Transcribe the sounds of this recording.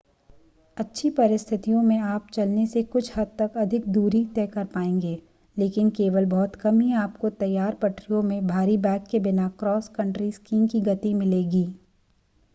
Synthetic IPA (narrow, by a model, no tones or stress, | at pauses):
ɐtːʃʰipɐɾɪst̪ʰɪt̪ijõmẽaːp̚t͡ʃɐlnesekʊt͡ʃʰhɐd̪̚t̪ɐkɐd̪ʱɪkd̪uːɾit̪ɛːkɐɾpaːẽːŋɡeː | leːkɪnkeːʋəlbɔːt̪kɐmɦiaːpkot̪ɐjːaːɾpɐʈɾijõmẽbʱaːɾibɛ̃ːkːebɪnakɾɔːskɐ̃ɳʈɾiskiːmkiɡɐt̪imɪleːɡiː